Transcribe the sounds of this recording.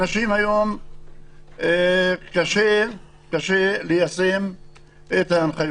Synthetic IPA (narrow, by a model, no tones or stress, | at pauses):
naʃimhajom | kaʃe | kaʃelejasem | et̪aːnχaj